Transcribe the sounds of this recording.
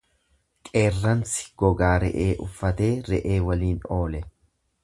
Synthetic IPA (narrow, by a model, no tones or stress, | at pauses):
kʼe̞ːrːɐnsɪ̥ɡ̥ɔɡaːɾɛ̰ʔeːʔʊfːɐt̪e̞ːɾɛʔe̞ːwɐliːnoːlɛ